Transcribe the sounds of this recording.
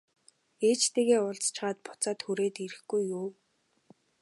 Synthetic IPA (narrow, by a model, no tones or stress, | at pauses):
eːt͡ɕt̪eːɣeːʊɮt͡st͡ɕɢaːt̪̚pʊ̥t͡saːt̪xuɾeːt̪iɾɘ̆xɡujːuː